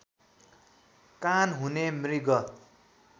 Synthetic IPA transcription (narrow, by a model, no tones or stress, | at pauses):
kanɦunemriɡʌ